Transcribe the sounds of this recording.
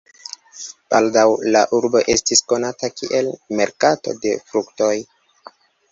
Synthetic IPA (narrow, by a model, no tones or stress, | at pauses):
b̥aldawlaʔuɾbo̞ʔe̞stisko̞natakiʔe̞lme̞ɾkato̞̰de̞fɾukto̞j